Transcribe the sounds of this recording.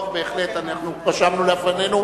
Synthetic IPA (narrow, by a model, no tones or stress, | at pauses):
tbe̞ːχle̞t̪anaχnupaʃamnuleafane̞nu